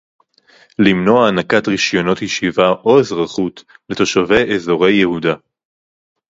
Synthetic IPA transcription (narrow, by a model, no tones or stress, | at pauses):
limno̞aːnakatʁiʃjo̞no̞thiʃivaʔo̞ezʁaχutle̞to̞ʃave̞jʔezo̞ʁe̞jːehuda